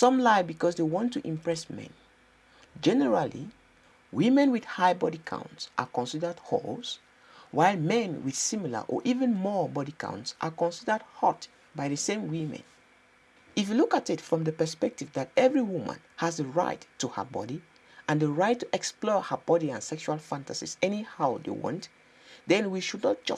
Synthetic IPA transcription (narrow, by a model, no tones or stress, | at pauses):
sɔ̃mlaɪbikɔsdewɔ̃ntːuʔĩmpɹɛsmɛ̰̃n | d͡ʒɛnəɹalḭ | wimɛ̃nwiθhaɪbɔɾikʰã̰ʊ̃ntsʔa̰kɔ̃nsidə˞dho̰ls | waɪlmɛ̃nwḭθsĩmilə̰ʔɔ̰ʔivə̃nmɔbɔɾikʰã̰ʊ̃ntsʔakɔ̃nsidə˞d̚hɔt | bajðəsẽmwimɛ̰̃n | ifjulukatitfɹɔ̃mdəpə˞spɛk̚tivdatɛvɹiwumã̰nhazdəɹa̰ɪtːuhə̰bɔ̰ɾi | ãndəɹaɪtʰːuʔɛksplɔhəbɔɾiãnsɛkʃualˠfãntasḭsɛnihaʊdḛwɔ̰̃nt | d̪ɛ̃nwiʃudnɔt̚d͡ʒ̥ʌ